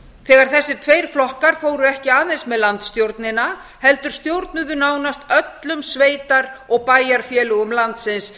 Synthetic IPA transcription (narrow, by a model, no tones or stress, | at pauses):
θɛːɣaɾ̥θɛsːɪ̥t̪ʰvejɾ̥flɔhkaɾ̥foːwɾʏɛhcɪaːðensmɛðlant̪st̪jowɾt̪nɪna | hɛlt̪ʏɾ̥st̪jowɾt̪nʏðʏnaːwnast̪œt̪lʏmsveːjt̪aɾɔɣpaːjaɾ̥fjɛːlʏɣʏmlant̪sɪns